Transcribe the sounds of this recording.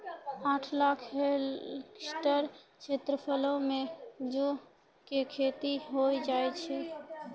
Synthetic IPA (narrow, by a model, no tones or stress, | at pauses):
aʈʰlakʰɦelksʈəɾt͡ʃʰet̪ɾəpʰəlõmed͡ʒo | kekʰet̪iɦojd͡ʒajt͡ʃʰɛ